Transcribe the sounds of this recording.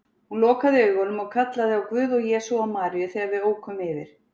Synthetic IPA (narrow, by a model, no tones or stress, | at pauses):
hunlɔːkaðɪœːɥɣɔnʏmɔɣkʰat̪laðɪawkvʏːðɔɣjɛːsuamaːɾijʏθɛːɣaɾvɪðoːwkʰʏmɪvɪ̰ɾ̥